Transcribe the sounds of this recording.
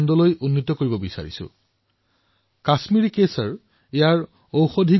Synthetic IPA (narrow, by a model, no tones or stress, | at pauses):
ndɔlojunːitɔkoɹibɔbisa̰ɹḭsʊ̰ | kasmiɹikesaɹ | ejaɹ | owxodʱi